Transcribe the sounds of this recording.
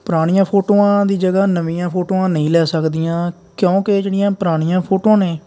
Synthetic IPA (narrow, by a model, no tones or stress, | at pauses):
pɾaːɽ̃ijãːpʰoːʈoːãːd̪iːd͡ʒəɡaːnəʋĩːjãːpʰoːʈoːãːnəĩːlɛːsəkd̪ijãː | kjõːkɪd͡ʒeːɽijãːpəɾaːɽ̃ijãːpʰoːʈoːãːnẽː